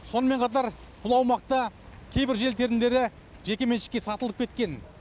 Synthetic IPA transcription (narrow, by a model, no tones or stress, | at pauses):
so̞nəme̞ɴqʰɑt̪ɑɾ | b̥ʊlˠɑwmɑq̚t̪ɑkʲʰe̞jbɪɾʒe̞lt̪ʰe̞ɾɪnd̪e̞ɾɪ | ʒe̞kʲe̞me̞nʃɪ̥kʲːe̞sɑt̪əlˠəp̚kʲʰe̞t̪̚kʲe̞n